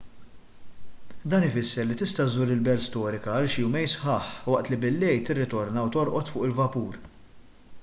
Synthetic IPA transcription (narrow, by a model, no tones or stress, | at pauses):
d̪ɐːnɪfɪsːɛɾlit̪ɪst̪ɐt̪zuːɾɪlbɛlst̪ɔːɾɪkɐɐlʃjuːmɛjsħɐːħwɐʔt̪libɪlːɛjt̪ɪrːɪt̪ɔɾnɐwt̪ɔɾʔɔt̪fʊːʔɪlvɐpuːɾ